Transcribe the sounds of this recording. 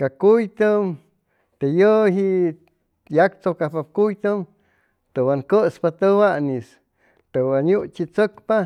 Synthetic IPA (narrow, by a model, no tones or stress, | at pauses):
kakujt̪əm | t̪ejəɦiʔ | jakt͡sokapap̚kujt̪əm | t̪owaŋkəspat̪əwanis | t̪ewaɲut͡ʃit͡səkpa